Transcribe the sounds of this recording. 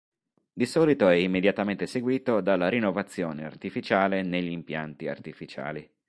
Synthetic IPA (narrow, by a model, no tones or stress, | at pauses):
d̪isɔːlit̪oɛimːed̪jat̪ament̪eseɡwiːt̪od̪alːaɾinːovat̪sːjoːnea̰rt̪ifit͡ʃaːleneʎːimpja̰nt̪ia̰rt̪ifit͡ʃa̰ːli